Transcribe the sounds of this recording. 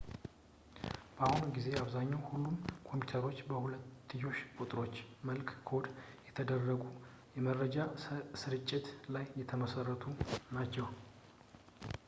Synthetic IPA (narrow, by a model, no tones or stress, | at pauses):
b̥ahunɡize̞aβzaɲːawhulːumkʰo̞mpjut̪ʰəɾo̞t͡ʃːbəhulət̪ːɨjo̞ʃkʼut̪ʼɾo̞t͡ʃːməlkkʰo̞d̪ | jɛt̪ʰəd̪ərːəɡu | jɛməɾəd͡ʒasɨɾɨt͡ʃʼːɪt̪lajːɛt̪ʰəməsərːət̪ʰunat͡ʃːɛw